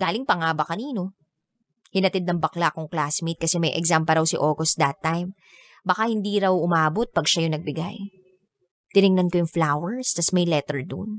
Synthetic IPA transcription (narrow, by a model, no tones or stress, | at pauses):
ɡ̥aːlɪŋpɐŋaːbɐkɐniːno̞ | hɪnɐt̪ɪd̪nɐŋbɐklaʔkʊŋklasmit̪̚kɐsɛmɐjʔɛ̰ɡzampɐɾɐwsɪʔoːkosd̪ɐt̪ːajm | bɐkahɪnd̪iːɾɐwʔʊmaːbot̪̚pɐɡʃajʊŋnɐɡ̚bɪɡa̰j | t̪ɪnɪŋnɐnkojʊŋflawɛɹst̪ɐsmɐjlɛt̪ɛɹd̪ʊ̰n